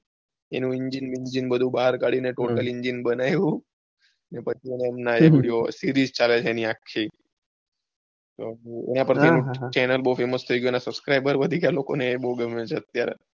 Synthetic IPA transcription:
ḛnũɪɲd͡ʒinmind͡ʒinbəd̪ʱũbaɦaɾkaɽineʈoʈəlɪɲd͡ʒinbənajũ | nepət͡ʃʰieneəmnaeiɖiosiɾizt͡ʃalet͡ʃʰeeniakʰːi | t̪oḛnapəɾt̪ʰienũt͡ʃɛnəlbəɦufeməst̪ʰəiɡjoenasəbskɾajbəɾbəd̪ʱikjalokonebəɦuɡəmːet͡ʃʰeət̪jaɾḛ

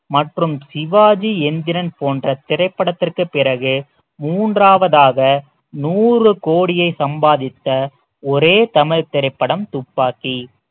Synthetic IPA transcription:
mɐʈrɯmsɪʋaːd͡ʒiɛnd̪ɪɾɐnpoːndrɐt̪ɪɾɐɪpːɐɽɐt̪ːɪrkɯpːɪɾɐɣɯ | muːndraːʋɐðaːɣɐ | nuːrɯkoːɽɪjɐɪsɐmbaːðɪt̪ːɐ | ɔɾeːt̪ɐmɐɻt̪ːɪɾɐɪpːɐɽɐmt̪ʊpːaːki

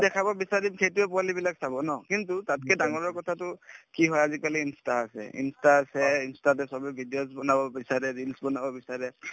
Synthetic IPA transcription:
dɛkʰabɔbisadimxejtʊɛpʊalibilaksabɔnɔkintutat̚kɛdaŋɔɹɔɹkɔtʰatʊkiɦɔjazikaliinstaːsɛ̰ḭnstaːsɛinstatɛsɔbɛbʱidijosbɔnabɔbisaɹɛɹilsbɔnabɔbisaɹɛ

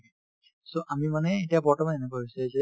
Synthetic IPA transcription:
soʔamimanɛetiabɔɹtʰɔmanɛnɛk̬aɦisɛzɛ

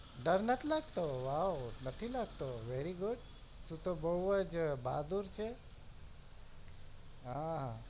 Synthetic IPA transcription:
ɖəɾnət̪ʰilaɡt̪oʋawnət̪ʰilaɡt̪oʋeɾiɡʊɖ | t̪ũt̪obəɦəd͡ʒba̰d̪uɾt͡ʃʰe | ɦã

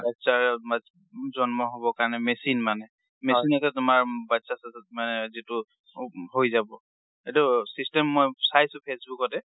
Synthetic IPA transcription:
batsaɹma | zɔnmɔɦobɔkaɹnɛmesinmanɛ | mesinasɛtʊmaɹbatsasmanɛzitʊ | hojzabɔ | etusistɛmːojsajsʊ̃pʰesbukɔtɛ

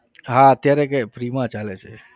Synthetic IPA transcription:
ɦãət̪jaɾekepɾiːmãt͡ʃaːlet͡ʃʰe

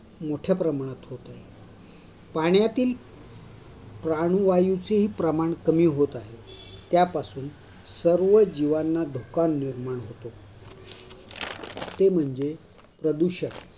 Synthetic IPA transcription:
moʈʰjapɾəmaɽ̃at̪ɦot̪aɦe | paɳjat̪iːl | pɾaɽ̃uʋajut͡seɦiːpɾəmaɳkəmiːɦot̪aɦe | t̪japasuːn | səɾʋəd͡ʑiʋanːad̪ʱokanːiɾmaɳ̃ɦot̪o | t̪em̤əɳd͡ze | pɾəd̪uɕəɽ

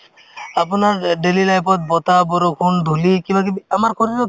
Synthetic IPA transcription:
apunaɾɖelilajpɔt̪̚bɔt̪abɔɾokʰunɖʱulikibʱakiamaɾkʰɔɾiɾo

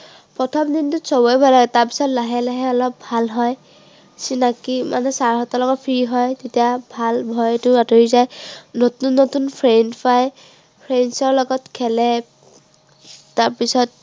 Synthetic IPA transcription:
pɹɔtʰɔmdintʊsɔbɔjbʱajlaɡɛtaɹpi̥sɔtlaɦɛlaɦɛɔlɔp̚bʱalɦɔj | sinakima̰nɛsaɹɦɔtɔlɔɡɔt̚pʰɹiɦɔjtetijabʱalbʱɔjtʊatoɹizajnotunːotunpʰɹenpaj | pʰɹensɔɹlɔɡɔtkʰɛlɛ | tːaɹpisɔt̚

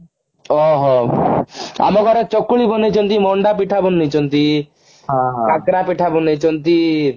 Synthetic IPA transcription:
ɔɦɔ | a̰mɔɡʱɔɾet͡ʃɔkːuɭibɔnet͡ʃʰɔnt̪imɔɳɖapiʈʰabɔnːet͡ʃʰɔnt̪i | ɦãɦkakɾapiʈʰabɔnejt͡ʃʰɔnt̪i

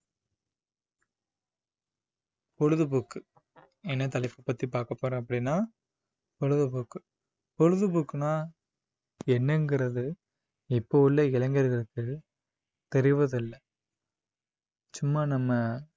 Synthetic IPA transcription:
pɔɻɯðɯbukːɯ | ɛnːɐt̪ɐlɐɪpːɯpːɐt̪ːipaːɾkɐpːoːɾẽːɐpːɐɽinːaː | pɔɻɯðɐbʊkːɯ | pɔɻɯðɯbʊkːnaː | ɛnːɛŋɡɪɾɐðɯ | ɪpːoʋɪlːɐɪlɐŋɡɐɾɣɐɭɯkːɯ | t̪ɛɾɪʋɐðɪlːɐ | t͡ʃʊmːaːnɐmːɐ

